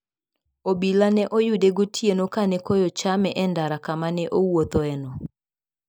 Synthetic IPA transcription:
obilanɛʔojudeɡotʰjenokanɛkojɔt͡ʃamɛʔɛndaɾakamanɛʔowot̪ɔɛnɔ

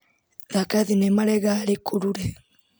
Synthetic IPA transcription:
ðakaðinemalɛɣalikuɾuɾɛ

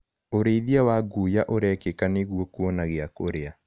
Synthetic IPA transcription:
oɾeiðiawaɡujaʔoɾɛkekaneɣwɔkuɔnaɣeakoɾea

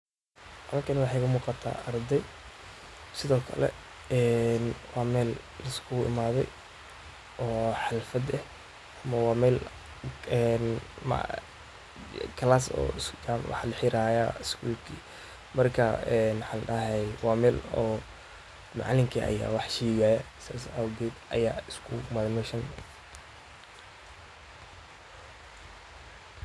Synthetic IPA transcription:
ʔalɐŋkʰɐnɪwɑħɛkʰɐmuːqɑt̪ʰa̰ːʔɐrd̪ɛj | sɪðɔːkʰɐ̰lɛ̰ | ɛːnwɑːmɛːl | lɐskʰʊːɪ̰maːðɛ̰j | ʔɔːħɑlfɐd̪ɛh | ɐmɐwɑːmɛːl | ɛnm̰ | kʰɐlaːsɔ̰ːɪst͡ʃamwɑ̰ħlɐħɪɾaːja̰ɪskʰuːlkʰiː | mɐrkʰɐɛnwɑħɑ̃ːlɗɐɦɛjwaːmɛːlɔː | mɑ̰ʕlɪŋkʰiʔɐ̰ja̰ːwɑħʃiːɡaːjɐ | sa̰ːsɐwɡɛːd̪ʔɐ̰jaːɪskʰʊmɐðmɛʃɐn

